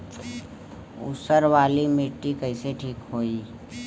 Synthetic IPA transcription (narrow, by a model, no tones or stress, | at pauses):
ʊ̰səɾʋaːlimeːʈːikəɪseʈʰiːkɦoːiː